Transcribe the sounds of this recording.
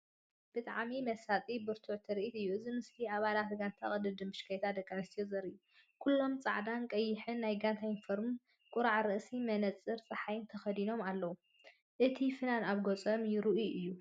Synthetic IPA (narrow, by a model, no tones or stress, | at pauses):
b̥ɨt̪ʼaʕmimɐsat̪ʼibɨɾt̪ʰuʕt̪ʰɨɾʔit̪ɨjːuʔɨzimɨst̪ʰiaβalat̪ɡant̪ʰaχʼɐd̪ɨd̪ɨmbɨʃkʰajt̪ʰad̪ɐkʼːanɐst̪ijozɐɾɨjːu | kʰulːo̞mt͡sʼaʕd̪ankʼɐjːɪħɨnːajɡant̪ʰajɪnfoɾmɨn | kʼʊɾaʕɾɨʔsimɐnɐt͡sʼɨɾt͡sʼɐħajɪnt̪ʰɐxɐd̪ino̞malːɐwu | ʔɨt̪ʰifɨnanaβɡot͡sʼɐmjɪɾɨʔuɨjːu